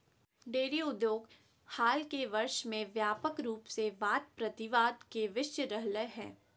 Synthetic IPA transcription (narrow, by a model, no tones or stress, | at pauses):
ɖeːɾiʊd̪joːɡ | haːlkeʋɐɾʃmẽʋjaːpəkɾuːpseʋaːt̪̚pɾɐt̪ɪʋaːd̪keʋɪʃjəɾəɦləɦɛ̰̃ː